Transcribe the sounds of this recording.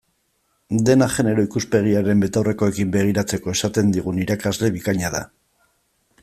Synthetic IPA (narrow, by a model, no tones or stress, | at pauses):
d̪e̞naʝe̞ne̞ɾo̞ikuspe̞ɣ̞iaɾe̞mbe̞t̪owre̞ko̞e̞kimbe̞ɣ̞iɾat͡se̞ko̞e̞sat̪e̞nd̪iɣ̞uniɾakazle̞βikaɲað̞a̰